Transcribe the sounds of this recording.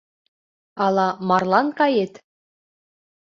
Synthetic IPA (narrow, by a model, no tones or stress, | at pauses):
ɑlˠɑmɑrlˠɑnkɑjet̪